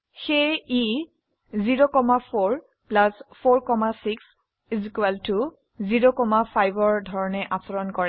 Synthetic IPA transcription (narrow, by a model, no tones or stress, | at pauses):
xeji | ziɹokɔmapʰoɹ | plaspʰoɹkɔmasiks | zikuwɛltu | ziɹokɔmapʰajbɔɹdʱɔɹɔnɛʔasɔɹɔnkɔɹɛ